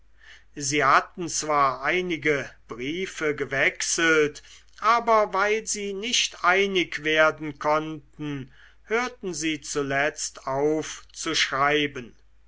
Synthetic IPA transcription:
ziːhat̪n̩t͡sv̥aːɐʔaɪnɪɡəb̥ʁiːfəɡəvɛksəlt | ʔaːbɐvaɪlziːnɪʃtʔaɪnɪkv̥eːɐdn̩kʰɔntn̩ | høːɐtn̩ziːt͡sulɛt͡staʊft͡suʃʁaɪbən

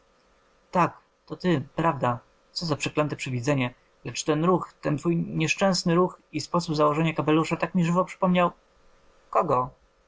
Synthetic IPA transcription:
t̪ak | t̪ɔt̪ɘpɾavd̪a | t̪sɔzapʂɛklɛnt̪ɛpʂɛvʲid̪zɛɲɛ | lɛt͡ʂt̪ɛnɾuxt̪ɛnt̪fujɲɛʂt͡ʂɛ̃w̃snɘɾuxispɔsubzawɔʐɛɲakapɛluʂat̪akmʲiʐɘvɔpʂɘ̥pɔmɲaw | kɔɡɔ

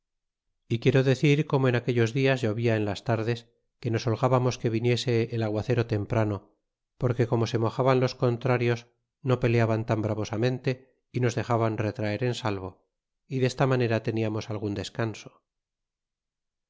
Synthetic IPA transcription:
ikje̞ɾoðe̞θiɾko̞moenake̞ʎo̞zðiazʝoβiaenlast̪aɾðe̞s | ke̞no̞solɣaβamo̞ske̞βinje̞se̞ːlaɣwaθe̞ɾo̞t̪e̞mpɾano | po̞ɾke̞ko̞mo̞se̞mo̞xaβanlo̞sko̞nt̪ɾaɾjo̞s | no̞pe̞leaβant̪ambɾaβo̞samẽ̞nt̪e̞ | ino̞zðe̞xaβanre̞t̪ɾae̞ɾe̞nsalβo̞ | iðe̞st̪amane̞ɾat̪e̞niamo̞salɣund̪e̞skanso̥

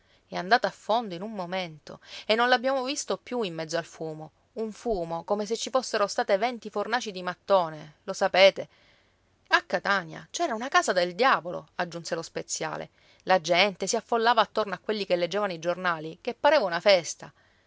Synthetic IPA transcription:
ɛand̪aːt̪aːfːond̪oinummoment̪o̰enːõnlabːjaːmovist̪opjuimːɛd̪zːoalfuːmo | uɱfuːmokomes̬et͡ʃːifosːeɾost̪aːt̪evɛnt̪ifornaːt͡ʃid̪imat̪ːoːnelosapeːt̪e | akːat̪anja̰t͡ʃɛːɾaunakaːzad̪eld̪jaːvolo̰ad͡ʒːunselospet̪sːja̰ːlḛ | lad͡ʒɛnt̪esiafːolːaːvaːt̪ːornoakːwelːikelːed͡ʒːeːvanoid͡ʒornaːlikepːaɾeːvaunafɛst̪a

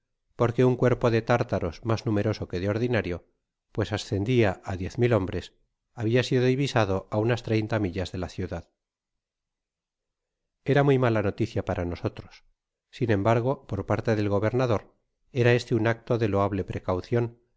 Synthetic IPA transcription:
po̞ɾke̞uŋkwe̞ɾpo̞ðe̞t̪aɾt̪aɾo̞smaznume̞ɾo̞so̞ke̞ðeo̞ɾðinaɾjo̞ | pwe̞sasθe̞nd̪iaʔaðje̞θmilo̞mbɾe̞s | aβ̞iasiðo̞ðiβisað̞o̞ʔaunast̪ɾejnt̪amiʎazðe̞laθjuðað | e̞ɾamujmalano̞t̪iθjapaɾʔano̞so̞t̪ɾo̞̥sː | inẽ̞mbaɾɣo̞po̞ɾpaɾt̪e̞ðe̞lɣo̞β̞e̞ɾnaðo̞ɾ | e̞ɾae̞st̪eunak̚t̪o̞ðe̞lo̞aβle̞pɾe̞kawθjo̞n

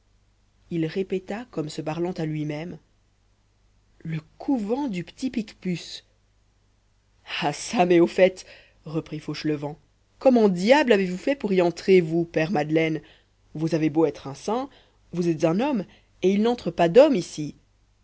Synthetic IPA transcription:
ilʁepɛt̪akɔmsəpaʁlɑ̃t̪alɥimɛm | ləkʰuvɑ̃d̪ypə̥t̪ipikpys | asamɛofɛt̪ | ʁəpχifoʃləvɑ̃ | kɔmɑ̃d̪jablavevufɛpuʁiɑ̃t̪χevupɛʁmad̪lɛn | vuzaveboɛt̪χɛ̃sɛ̃ | vuzɛt̪zɛ̃nɔm | eilnɑ̃t̪χəpad̪ɔmisi

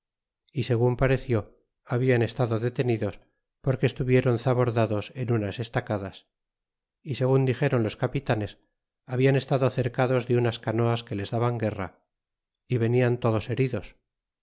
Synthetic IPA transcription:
ise̞ɣumpaɾe̞θjo̞ | aβiane̞st̪aðoðe̞t̪e̞niðo̞s | po̞ɾke̞ːst̪uβje̞ɾo̞nθaβo̞ɾðaðo̞se̞nunase̞st̪akaðas | ise̞ɣ̞und̪ixe̞ɾo̞nlo̞skapit̪ane̞s | aβianest̪aðoθe̞ɾkaðo̞zðe̞unaskano̞aske̞le̞zðaβaŋɡe̞ra̰ | iβe̞niant̪o̞ðo̞se̞ɾiðo̞s

